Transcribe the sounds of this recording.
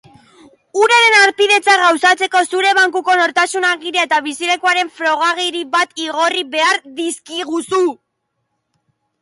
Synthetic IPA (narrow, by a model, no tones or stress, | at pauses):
uɾaɾe̞naɾpiðe̞t͡saɣawsat͡se̞ko̞suɾe̞βaŋkuko̞no̞ɾt̪asunaɣiɾaet̪aβ̞isile̞kuaɾe̞ɱfɾo̞ɣ̞aɣ̞iɾiβat̪iɣo̞riβe̞aɾðiskiɣ̞usu